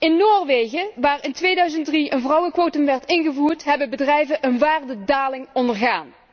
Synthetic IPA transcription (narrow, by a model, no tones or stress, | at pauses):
ɪnːoːrʋejɣəʋaːrɪntʋeːjdœɥzəntdriʔənvrɑwəkʋowtəmʋɛɹtɪnɣəvuːrtɦɛbəbədrɛjvəʔənʋaːrdədaːlɪŋɔndəɹɣa̰ːn